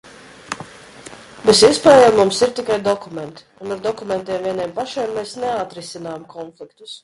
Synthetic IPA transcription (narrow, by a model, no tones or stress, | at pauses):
besiɛspɛːjamːumsiɾt̪ikajd̪ɔkument̪ | unaɾd̪ɔkument̪iɛmviɛniɛmpaʃeːmːeːsneat̪ɾisinaːjmkʰɔnflikt̪u̥s